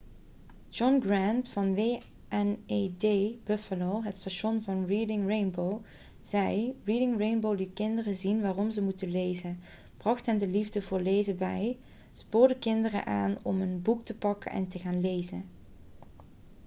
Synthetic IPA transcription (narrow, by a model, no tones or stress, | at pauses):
d͡ʒɔnɡrɛntfɑnʋeː | ʔɛnedejb̥ɵfəlowɦətstaʃɔnvɑnridɪŋɹejnbow | z̥ɛjridɪŋrejnbowlitkɪndərəzinʋaːrɔmzəmutənlejzən | b̥rɑχtɦɛndəlivdəvʊːɹlejzəbɛj | spoːɹdəkɪndərə̰ʔaːnɔmənbuk̚təpɑkə̰nʔɛ̰ntəɣaːnlejzən